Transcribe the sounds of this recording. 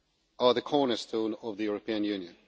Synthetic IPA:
əðəkʰɔɹnəstʰõːnʌvðəjuɹəpʰĩə̃njʉːnjə̃n

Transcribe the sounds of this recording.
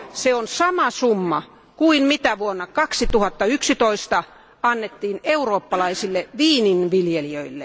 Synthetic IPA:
seonsɑmɑsumːɑ | kuinmit̪æʋuonːɑkɑksit̪uhɑt̪ːɑyksit̪oist̪ɑ | ɑnːet̪ːiːneuroːpːɑlɑisilːeʋiːninʋiljeliøilːe

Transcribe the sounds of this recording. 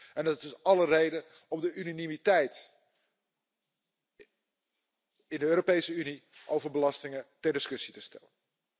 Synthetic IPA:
ɛndɑtɪsɑlərejdən | ɔmdəʔynanimitɛjt | ɪndəøːɾopejsəyniʔowvəɹbəlɑstɪŋətɛɹdɪskɵsitəstɛ̰lən

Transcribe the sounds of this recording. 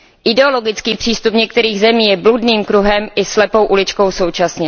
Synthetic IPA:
ʔɪdɛo̞lo̞ɡɪt͡skiːpr̝̥iːst̪upɲɛk̚t̪ɛɾiːɣzɛmiːjɛbludniːmkɾuɦɛmʔɪslɛpo̞wʔulɪt͡ʃko̞wso̞wt͡ʃasɲɛ

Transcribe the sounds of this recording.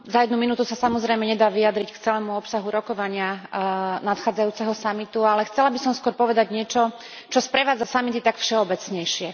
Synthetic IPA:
zajɛd̪numinuːt̪usasamɔzɾɛjmɛɲɛd̪aːʋijad̪ɾickt͡sɛlɛːmuɔpsaɦuɾɔkɔʋaɲɪa | nat̪xaːd͡zajuːt͡sɛɦɔsamit̪ualɛxt͡sɛlabisɔmskwʊɔɾpɔʋɛd̪aɟɲɪɛt͡ʃɔ | t͡ʃɔspɾɛʋaːd͡zasamit̪it̪akfʃɛɔbɛt͡sɲɛjʃɪɛ

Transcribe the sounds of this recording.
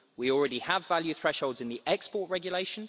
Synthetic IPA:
wiɔlˠɹɛɾiəvaljʉθɹɛʃhoʊlˠdzɪ̃nðiʔɛkspɔˑʔɹɛɡjəleɪʃə̃n

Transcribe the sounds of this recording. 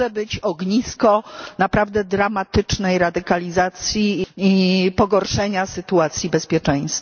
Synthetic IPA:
ɛbɘt͡ɕɔɡɲiskɔnapɾavd̪ɛd̪ɾamat̪ɘt͡ʂnɛjɾad̪ɘkalʲizat̪sʲjiipɔɡɔɾʂɛɲasɘt̪uat̪sʲjibɛspʲjɛt͡ʂɛ̃j̃st̪

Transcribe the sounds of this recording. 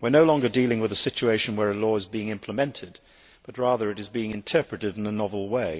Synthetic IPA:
wɨɹnoʊlɔ̃ŋɡə˞dilˠɪ̃ŋwɨðɨsɪt͡ʃueɪʃɨ̃n̩wə˞ɨlɔɨzbiɪ̃ŋɪ̃mpʰləmɛ̃ntʰɨd̚ | b̥ʌt̚ɹæðə˞ɨɾɨzbiɪ̃ŋɨ̃ntʰɜ˞pɹɨɾɨɾ̃n̩ənɑvl̩ˠweɪ

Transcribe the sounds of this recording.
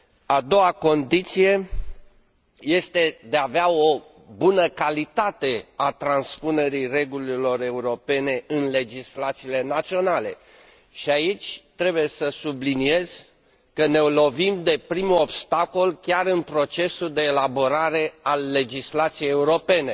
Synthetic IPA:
ad̪o̞wako̞nd̪it̪sije̞ | je̞st̪e̞d̪eaveao̞ | bunəkalit̪at̪e̞at̪ɾanspune̞ɾire̞ɡulilo̞ɾe̞uɾo̞pe̞ne̞ɨnle̞d͡ʒislat̪siːle̞nat̪sio̞nale̞ | ʃiait͡ʃʲt̪ɾe̞buje̞səsublinie̞z̥ | kəne̞olo̞vimd̪e̞pɾimuo̞bst̪ako̞lkʲaɾɨnpɾo̞t͡ʃe̞suld̪e̞ːlabo̞ɾaɾe̞alːe̞d͡ʒislat̪sijejeuɾo̞pe̞ne̞

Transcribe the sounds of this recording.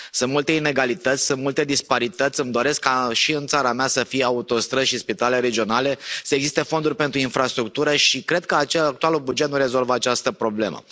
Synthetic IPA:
sɨnt̪mult̪e̞ine̞ɡalit̪ət̪sʲsɨnt̪mult̪e̞d̪ispaɾit̪ət̪sʲɨmd̪o̞ɾe̞skːaʃiɨnt̪saɾameasəfijeaut̪o̞st̪ɾəʃispit̪aleleɾe̞d͡ʒio̞nale̞səeɡzist̪e̞fo̞nd̪urʲpent̪ɾuinfɾast̪ɾuk̚t̪uɾəʃikɾe̞d̪̚kəat͡ʃeak̚t̪ualubud͡ʒe̞t̪nuɾe̞zo̞lvəat͡ʃast̪əpɾo̞ble̞̰mə̰

